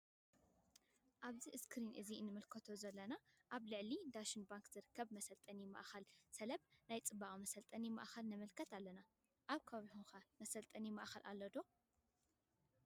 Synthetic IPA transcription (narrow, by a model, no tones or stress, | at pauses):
ʔaβziʔɨskʰɾinʔɨzinːɨmɨlkʰɐt̪ʰo̞zɐlːɐnaʔaβlɨʕlid̪aʃɨnbaŋkzɨɾɨkʰːɐβmɐsɐlt̪ʼɐnima̰ʔxɐlsɐlɐβnajt͡sʼɨbaʔʼmɐsɐlt̪ʼɐnima̰ʔxɐlnɐmɨlkʰɐt̪ʰalːɐna | ʔaβkʰɐββiħunxamɐsɐlt̪ʼɐnimaʔxɐlʔa̰lːɐd̪o̞